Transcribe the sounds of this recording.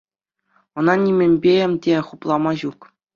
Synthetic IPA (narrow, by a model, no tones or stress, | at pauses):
ɤ̆nɑnʲimʲɘ̆nʲbʲeɘ̆mʲdʲeχuplˠɑmɑʑuk